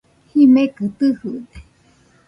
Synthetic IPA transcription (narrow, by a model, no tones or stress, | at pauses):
himẽkɨt̪ɨhud̪e